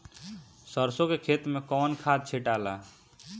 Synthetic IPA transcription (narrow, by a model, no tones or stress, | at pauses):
səɾsokekʰet̪mekɔnkʰad̪̚t͡ʃʰeʈala